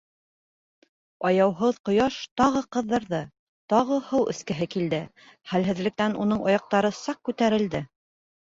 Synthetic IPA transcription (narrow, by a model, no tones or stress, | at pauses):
ɑjɑwɦoðqŏjɑʃt̪ɑʁɤqɤ̆ðːɤ̆ɾðɤ | t̪ɑʁɤhɤwɘ̰̆skɘ̆ɦɘkild̪ɘ | χælɦɘ̆ðlɘ̆k̚t̪ænun̪ɤɴʔɑjɑq̚t̪ɑɾɤsɑq̚kːʉt̪æɾɘ̆ld̪ɘ